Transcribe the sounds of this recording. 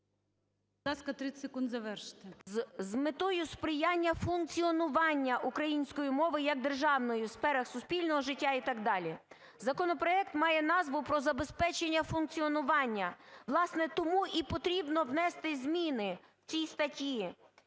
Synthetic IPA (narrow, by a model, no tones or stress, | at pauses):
ɑskɐt̪ɾɪsekund̪zɐʋɛrʃɪ̥t̪ɪzmɪt̪ɔjʊspɾɪjɑnʲːɐfʊnk̚t͡sʲiɔnʊʋɑnʲːɐʔukɾɐjinʲsʲkɔjimɔʋɪjɐɡ̚d̪erʒɑwnɔjʊsfɛɾɐxsʊspʲilʲnɔɦɔʒɪtʲːait̪ɑɡ̚d̪ɑlʲi | zɐkɔnɔpɾɔɛkt̪mɑjɛnɑzʋʊpɾɔzɐbespɛt͡ʃenʲːɐfʊnk̚t͡sʲiɔnʊʋɑnʲːɐʋlˠɑsnɛt̪ɔmuʔipɔt̪ɾʲibnɔwnɛst̪ɪzʲmʲinɪ | w̥t͡sʲijst̪ɐtʲji